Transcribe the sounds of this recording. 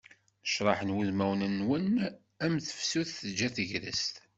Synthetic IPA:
əʃɾˤɑħənwuðmæwnənːwən | æmθə̥fsuθθəd͡ʒːæθəʝɾə̰st̪

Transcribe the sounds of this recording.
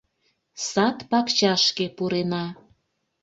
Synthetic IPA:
sɑt̪pɑkt͡ɕɑʃkepuɾenɑ

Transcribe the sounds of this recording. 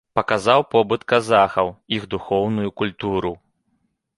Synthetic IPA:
pɐkazawpɔbɨt̪kazaxɐwiɣd̪uxɔwnujukulʲt̪uɾu

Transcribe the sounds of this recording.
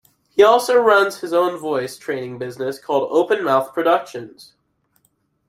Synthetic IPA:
hiɔlˠsoʊɹʌ̃nz̥ɨzõʊ̃nvɔɪstʰɹ̥ẽɪ̃nɪ̃ŋbɪznɨskʰɔlˠdo̰ʊpɨ̃nmaʊθpʰɹ̥ɨdʌkʃɨ̃nz̥

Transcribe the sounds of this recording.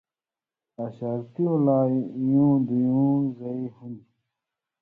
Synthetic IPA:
aːɕaːɾt̪iõːlaːijũːd̪ijũːzɐiɦũnd̪i

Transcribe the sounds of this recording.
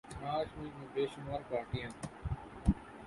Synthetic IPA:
ɦãːʃmĩːd͡ʑĩːbeːʃʊmaːɾpaːɾʈijãː

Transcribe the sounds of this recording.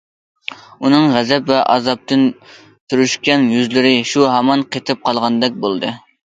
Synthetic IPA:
unɨŋʁɛzɛpvɛʔɑ̰zɑp̚t̪ʰɨn | t̪ʰyɾyʃkʲɛnjyzlɪɾɪʃuɦɛmɑnqʰet̪ʰɨp̚qʰɑlˠʁɑnd̪ɛk̚ʲbolˠd̪ɨ

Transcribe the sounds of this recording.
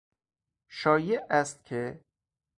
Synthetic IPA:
ʃɒːjeʔæst̪̚kʲʰe

